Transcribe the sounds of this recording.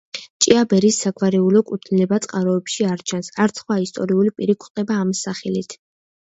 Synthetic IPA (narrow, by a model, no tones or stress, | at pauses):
t͡ʃʼiabɛɾisːakʰvaɾɛulɔkʼut̪ʰnilɛbat̪sʼqʼaɾɔɛpʃiaɾt͡ʃʰansaɾt̪sʰχwaist̪ʼɔɾiulipʼiɾikʰχt̪ʼɛbaːmsaχɛlit̪ʰ